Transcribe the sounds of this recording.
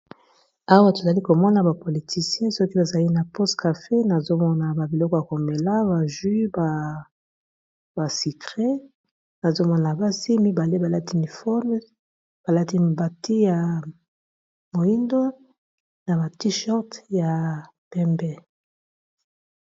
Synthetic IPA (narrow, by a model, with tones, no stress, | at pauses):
a˦wa˦to˨za˨li˦ko˨mɔ˦na˦ba˨po˨li˨tʰi˨sjɛ̃˦sɔ˦ki˦ba˨za˨li˦na˨pɔ˦stka˨fe˦na˨zo˦mɔ˦na˨ba˨bi˨lɔ˦kɔ˦ja˨ko˨me˨la˦ba˨ʒi˦ba˨ | ba˨si˨kʁe˦ | na˨zo˦mɔ˦na˨ba˦si˦mi˦ba˨le˦ba˨la˦ti˦ni˨fɔ˦m˦ | b̥a˨la˦ti˦˨ba˨tʰi˦ja˨ | mo˨i˦ndo˦ | na˨ba˨ti˦ʃɔ˦ʁtja˨ | pɛ˦mbɛ˦